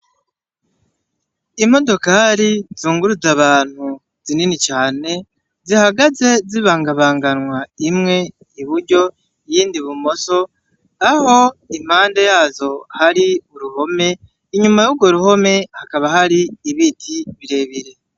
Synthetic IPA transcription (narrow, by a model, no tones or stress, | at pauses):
im̥o̞do̞kaɾizuːŋɡuɾuzaβaːn̥hu | z̥ininit͡ʃaːne̞ | zihaɡaze̞ziβaːŋɡaβaːŋɡanwaimŋe̞ | iβuɾɟo̞ | jiːndiβumo̞so̞ | aho̞im̥haːnde̞jaːzo̞haɾiuɾuho̞me̞ | iɲumajuɡo̞ɾuho̞me̞hakaβahaɾiːβitʰiβiɾe̞ːβiɾe̞